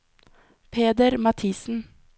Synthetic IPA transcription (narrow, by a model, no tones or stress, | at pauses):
pʰeːd̪əɾmɑt̪ʰiːsn̩